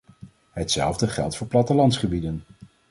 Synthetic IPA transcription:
ɦətsɛ̰lˠvdəχɛ̰lˠtfʊːɹplɑtəlɑntsχəbidən

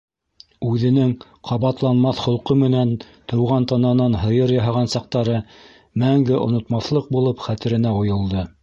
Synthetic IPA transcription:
ʉðɘ̆nɘŋ | qʰɑβɑt̪lˠɑnmɑθχŏlˠqɤmɘ̆nænt̪ɤ̆wʁɑnt̪ɑnɑnɑnɦɤ̆jɤɾjɑɦɑʁɑnsɑq̚t̪ɑɾɤ | mæŋɡɘʔŏ̰nŏt̪mɑθlˠɤq̚bulˠɤpχæt̪ɘ̆ɾɘ̆næŏjŏlˠd̪ɤ

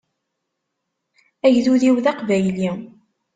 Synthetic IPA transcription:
æʝðuðiwðɑqvæjli

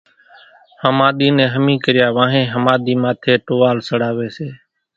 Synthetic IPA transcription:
həmaːɗ̪iːnɛ̃ːɦəmĩːkəɾjaːʋãːɦẽːɦəmaːɗ̪iːmaːt̪ʰeːʈoːʋaːlsəɽaːʋeːseː

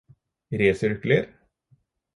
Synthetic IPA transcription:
ɾeːsʏɾkləɾ

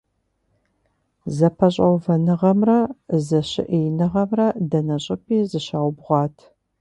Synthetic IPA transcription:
zɐpʰɐɕʼɐwvɐnɨʁɐmrɐzɐɕɪ̰ʔijnɨʁɐmrɐdɐnɐɕʼɪpʰiːzɨɕaːwbʁʷɑːtʰ

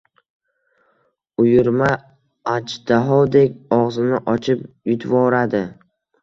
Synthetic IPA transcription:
ʊjʊɾma | ad͡ʒd̪̥aɦɒwd̪e̞kʲɒʁzɪnɪʔɒt͡ʃʰɪpjʊt̪ʰvɒɾad̪ɪ

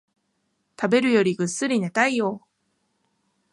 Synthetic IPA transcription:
tabe̞ɾɯjʌɾiɡɯs͈ɯɾinet͈aijo

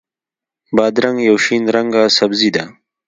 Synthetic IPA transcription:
bɑːd̪ɾɐŋɡjawʃinɾɐŋɡasɐbzid̪a

